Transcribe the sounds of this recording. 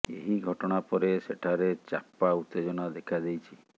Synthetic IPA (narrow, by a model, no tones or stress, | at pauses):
ḛɦiɡʱɔʈɔɽ̃apɔɾeseʈʰaɾet͡ʃa̰paut̪ːed͡ʒɔñad̪ekʰad̪ejt͡ʃʰi